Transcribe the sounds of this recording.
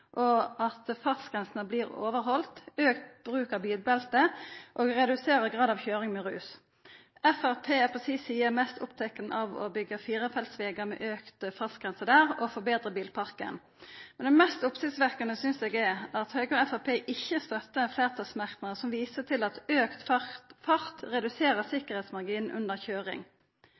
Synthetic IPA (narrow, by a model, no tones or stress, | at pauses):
ʔɔɑt̪fɑsɡ̥ʁɛnsnəbliːʁo̰ːʋəɾɦɔlt̪øːkt̪b̥ɾʉːkɑbiːlbɛlt̪əʔoːɡʁɛd̪ʉseːɾəɾɡʁɑːd̪ɑʋçøːɾɪŋmɛʁʉ̰ːs | ʔɛfæʁpʰeːæpʰɔsiːsiːəmɛst̪ʰʊ̰pt̪ʰɛkːənʔɑʋɔ̰bʏɡəfiːɾəfɛlt̪sʋeːɡəmɛ̰ʔøːkt̪əfɑsɡʁɛnsəd̪æːʁɔfɔbeːd̪ʁəbiːlpʰɑʁkə̰n | mɛnd̪ɛmɛst̪ʊpsɪɡsʋæʁkɑnəsʏnseːɡɛæʁɑt̪høːɡəɛfæpʰeːʔɪçːəst̪œt̪ːəfleːʁt̪ʰɑsmæʁk̪nəʁəsɔmʋiːsət̪ʰɪlɑt̪øːkt̪fɑʁt̪ʁɛd̪ʉseːʁəsɪkəʁhɛːt̪smɑʁɡiːnn̩ʔʉ̰nd̪əʁçøːʁɪ̰ŋ